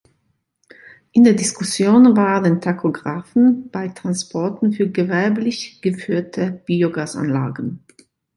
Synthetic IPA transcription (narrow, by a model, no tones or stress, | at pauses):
ʔɪndeːɐdɪskʰʊsjoːnvaːdentʰakʰoɡʁaːfn̩b̥aɪtʁ̥anspʰɔɐtn̩fyːɐɡəvɛɐblɪçɡ̥əfyːɐtʰəb̥iːoɡaːsʔa̰nla̰ːɡən̩